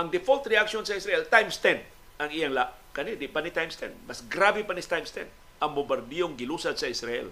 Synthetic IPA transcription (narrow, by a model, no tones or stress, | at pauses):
aŋdɛfɔlt̪riaksiɔnsaisɾaɛlt̪ajmst̪ɛnd̚ | aŋiaŋlaʔ | kanidipanit̪ajmst̪ɛ̰nbasɡɾabipanist̪ajmst̪ɛ̰n | ambobərdiɔŋɡilusat̪saisɾaɛ̰l